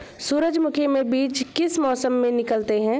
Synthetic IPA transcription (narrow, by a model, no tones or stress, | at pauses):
suːɾəd͡ʒmʊkʰemẽbiːt͡ʃkɪsmɔːsəmːẽnɪkəlt̪eɦɛ̃ː